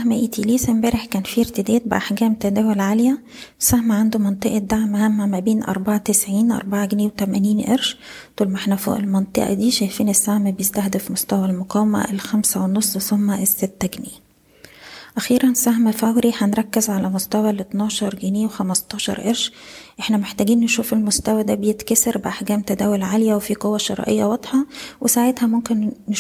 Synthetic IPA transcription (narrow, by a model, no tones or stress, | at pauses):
æhmæʔiːt̪ʰiːliːsæmbæːɾeħkæːnfiʔeɾt̪ed̪æːt̪̚beʔaħɡæːmt̪æd̪æːwolʕaljæ | sæhmæʕand̪umɑnt̪ˤeʔɑd̪ːaʕmhæmːæmæbeːnʔɑ̰ɾˤbaʕat̪esʕiːnʔɑ̰ɾˤbaʕaɡniːwet̪æmæniːnʔḛɾʃt̪uːlmaħnæfo̰ːʔḛlmɑnt̪ˤɨ̰ʔɑ̰d̪iːʃæjfiːnesːæhmæbejest̪æxd̪efmost̪æwælmoqɑːwæmæ̰ʔelxæmsæwenːosˤːsomːæʔesːet̪ːæɡniː | ʔæxiːɾænsæɦmæfæwɾiħænɾˤɑkːezʕalæmost̪æwælet̪nɑːʃɑɾˤɡeneːwexæmɑst̪ˤɑːʃɑ̰ɾˤʔeɾʃʔeħnæmeħt̪æːɡiːnːeʃuːfelmost̪æwæd̪æbejet̪kæsɑɾbeʔaħɡæːmt̪æd̪æːwolʕalejæwefiqowːæʃɑɾˤɑ̰ʔḛjːæwɑd̪̥ˤħɑwʔesaʕet̪hæmomkenː